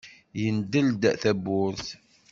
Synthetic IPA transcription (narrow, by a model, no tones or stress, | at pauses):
jənd̪əld̪θæbʊɾθ